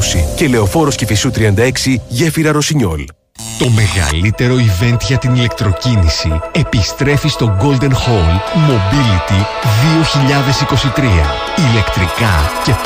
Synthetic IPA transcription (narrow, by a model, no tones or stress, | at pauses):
sicele̞o̞fo̞ɾo̞scefisut̪ɾiɐnd̪ɐe̞ksiʝe̞fiɾɐɾo̞siɲo̞̰l | t̪o̞me̞ɣɐ̰lit̪e̞ɾo̞ive̞nt̪ʝɐt̪inile̞k̚t̪ɾo̞cinisie̞pist̪ɾe̞fist̪o̞ɡo̞ld̪e̞nxo̞lmo̞bilit̪i | ðio̞çiʎɐðe̞siko̞sit̪ɾiɐ̰ | ile̞kt̪ɾikɐce̞